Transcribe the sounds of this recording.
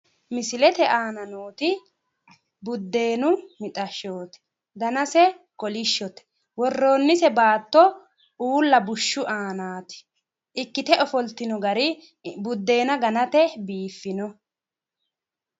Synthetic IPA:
mɪsɪlɛt̪ɛʔaːnɐnoːt̪ɪ | bʊd̪ːe̞ːnʊmɪt̪ʼɐʃoːt̪ɛ̥ | d̪ɐnɐsɛ | kɔlɪʃːɔt̪ɛ̥ | wɔrːo̞ːnːɪsɛbaːt̪ːɔ | uːlːɐbʊʃːʊʔaːnaːt̪ɪ̥ | ʔɪkːɪt̪ɛʔɔfɔlt̪ːɪnɔɡɐɾɪ | bʊd̪ːe̞ːnɐɡɐnɐt̪ɛbiːfːɪnɔ

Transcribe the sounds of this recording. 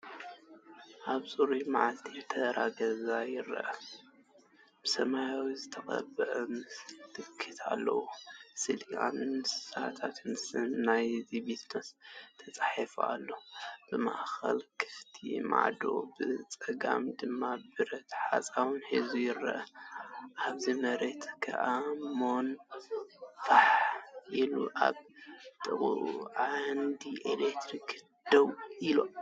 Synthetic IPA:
ʔaβsʼuɾumaʕalt̪ʰijɛt̪ʰɐɾaɡɐzajɪɾːɐ̰ʔɐ | b̥ɨsɐmajawizɨt̪ʰɐkʼɐ̰bɨʔɨmɨst̪ʰɨkʰːɨt̪ʰa̰lːɐ̰wusɨlia̰nɨssat̪ʰat̪ʰmɨsɨnːajzibisnɐst̪ʰɐt͡sʼaħifua̰lːo̞b̥ɨma̰ʔxɐ̰lkʰɨ̥ft̪ʰḭma̰ʕd̪o̰bɨt͡sʼɐɡa̰md̪ɨmːabɨɾɐt̪ħa̰t͡sʼawɨnħizujɪɾɐ̰ʔɐ | ʔaβzimɐɾe̞t̪kʰa̰ʔamon | faħʔilṵʔa̰βt̪ʼɨχʼuʔṵʕand̪iʔelekt̪ɾik | d̪̥ɐwʔilo

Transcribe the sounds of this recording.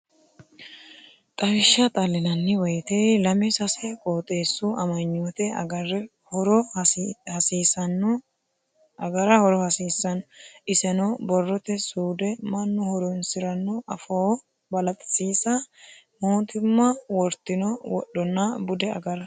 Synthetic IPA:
t̪ʼɐɾɪʃːɐt̪ʼɐlːɪnɐnːɪwɐjt̪eːlɐmɪsɐsɛkʼoːt̪ʼe̞ːsːʊɐmɐɲːoːt̪ɛɐɐr | hɔɾɔ | hɐsiːsɐnːɔ | ɐɡɐɾɐhɔɾɔhɐsiːsːɐnɔʔɪsɛnɔbɔrːɔt̪ɛsuːd̪ɛmɐnːʊhɔɾɔnsɪɾɐnːɔʔɐfoː | bɐlɐt̪ʼɪ̥siːsɐ | moːt̪ɪmːɐwɔɾt̪ːɪnɔwɔ̰ɗːɔnːɐbʊd̪ɛɐ̰ɡɐɾɐ

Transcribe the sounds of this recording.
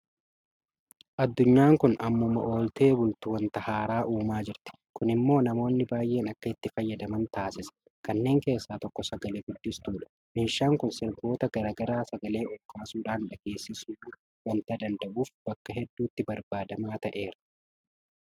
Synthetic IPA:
ʔɐd̪ːʊɲːaːŋkʊnɐmːʊmɐʔo̞ːlt̪e̞ːbʊlt̪uːwɐnt̪ɐhaːɾaːʔuːmaːd͡ʒɪɾt̪ɪ̥kʊnɪmːo̞ːnɐmo̞ːnːɪbaːjʔe̞ːnɐkːɐɪt̪ːɪfɐjːɐd̪ɐmɐnt̪aːsɪsɐ̥ | kɐnːe̞ːŋke̞ːsːaːt̪ɔkːɔsɐɡɐleːɡʊd̪ːɪst̪uːᶑɐ̥ | meːʃːaːŋkʊnsɪɾɡo̞ːt̪ɐɡɐɾaːɡɐɾaːsɐɡɐle̞ːʔɔlkaːsuːᶑaːnᶑɐɡe̞ːsːɪsuː | wɐnt̪ɐd̪ɐnd̪ɐʔuːfb̥ɐkːɐɦɛd̪ːuːt̪ːɪbɐɾbaːd̪ɐmaːt̪ɐʔe̞ːɾɐ̥

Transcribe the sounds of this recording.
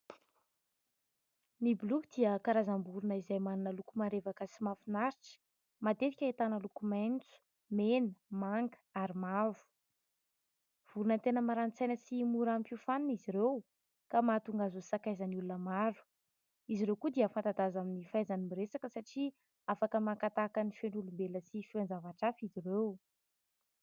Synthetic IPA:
nibulukd̪̥iəkaɾazambuɾunəizajmaninəlukumaɾevakəsimafinaɾiʈ͡ʂə̥ | mad̪et̪i̥kʲaet̪anəlukumajnt͡su̥ | menəmaŋɡə̥aɾimavu̥ | v̥uɾunənt̪enəmaɾant͡sajnəsimuɾampiufaniniziɾew | kamat̪uŋɡazusakajzanulunəmaɾu̥ | iziɾewkud̪eəfant̪ad̪azaminifajzanimiɾesakəsaʈ͡ʂi | afakəmakat̪akənifeɳɖ͡ʐulumbeləsifiand͡zavaʈ͡ʂafizirew

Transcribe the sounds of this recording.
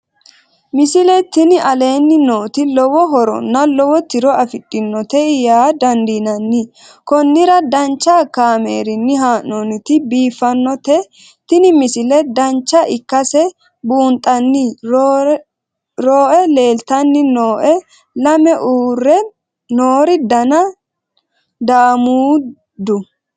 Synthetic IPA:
mɪsɪlɛt̪ɪnɪʔɐle̞ːnːɪnoːt̪ɪlɔwɔɦɔɾɔ̰nːɐlɔwɔt̪ɪɾɔɐfɪtʼːɪnːɔt̪ɛɪjaːd̪ɐnd̪iːnɐnːɪ | kɔnːɪɾɐd̪ɐnt͡ʃːakaːmeːɾɪnːɪɦaːnnonɪt̪ɪbiːfːɐnːɔt̪ɛ | t̪ɪnɪmɪsɪlɛd̪ɐnt͡ʃːɐʔɪkːɐsɛ | buːnt̪ʼːɐnːi | ɾoːʔɛle̞ːlt̪ɐnːɪnoːʔɛ | lɐmɛʔuːrːɛ | noːɾɪd̪ɐnɐ | d̪aːmuː | d̪ʊ

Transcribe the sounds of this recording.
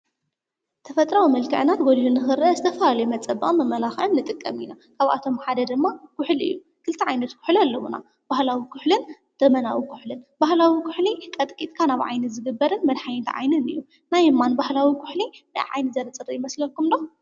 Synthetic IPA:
t̪ʰɐfɐt̪ʼɾawimɐlkʰɨʕɨnat̪ɡolhunɨxɨɾʔɐzɨt̪ʰɐfɐlalɐjumɐt͡sʼːɐbɐχʼɨmːɐmɐlaxʕɨmnɨt̪ʼɨkʼːɐminakʰaβa̰t̪ʰo̞mħad̪ɐd̪ɨmːakʰʊħlʔɨ̰jːu | kʰɨlt̪ʰiʕajnɐt̪kʰʊ̥ħlalːɐwuna̰ | b̥ahlawikʰʊħlɨn | d̪̥ɐmɐnawikʰʊ̥ħlɨnbahlawikʰʊħlikʼɐt̪ʼkʼit̪ʼkʰanaβʕa̰jnɨzɨɡɨbːɐɾɨnmɐd̪ħajnt̪ʰʕa̰jnɨnɨ̰jːu | najɨmːanbahlawikʰʊħlina̰jʕa̰jnɨzɐɾɐt͡sʼɨɾijɪmɐslɐkːumd̪o

